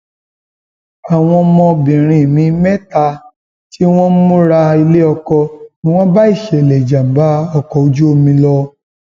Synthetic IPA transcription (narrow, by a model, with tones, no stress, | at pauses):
a˨w̃ɔ̃˧mɔ̃˧bĩ˨ɾ̃ĩ˧˨mĩ˧mɛ˦ta˧ | ti˦w̃ɔ̃˦mũ˦ɾa˧i˧le˦ɔ˧kɔ˧nĩ˦w̃ɔ̃˦ba˦i˦˨ʃɛ˨lɛ˨d͡ʒa˨m̩˨ba˦ɔ˧kɔ˧˨o˧d͡ʒu˦o˧mĩ˧lɔ˧